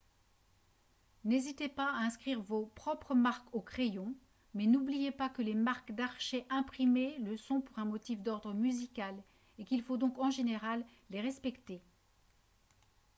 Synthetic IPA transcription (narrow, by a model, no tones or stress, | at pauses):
nezit̪epaaɛ̃skχiʁvopχɔpχəmaʁkokχejɔ̃ | mɛnublijepakəlemaʁkd̪aʁʃeʔɛ̃pχimeləsɔ̃puʁɛ̃mɔt̪ifd̪ɔʁd̪ʁəmyzikʲal | ekʲilfod̪ɔ̃kɑ̃ʒeneʁalː | eʁɛspɛkt̪e